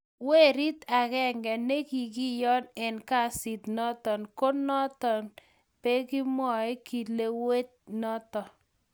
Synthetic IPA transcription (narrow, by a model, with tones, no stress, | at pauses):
we˦ɾi˦t̪a˨kɛ˦˨ŋɡɛ˨ne˦ki˨ki˦jɔ˦nɛ˨nka˦sɪ˨t̪nɔ˦t̪ɔ˨nko˦nɔ˦t̪ɔ˨n | pe˦ki˦mɔ˨ɪ˦ki˨le˦we˦t̪̚nɔ˦tɔ˨